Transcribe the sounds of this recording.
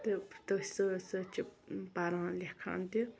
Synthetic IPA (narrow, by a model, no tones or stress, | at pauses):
t̪ət̪əsəsət͡ɕəpaɾaŋlehkʰa̰ŋt̪e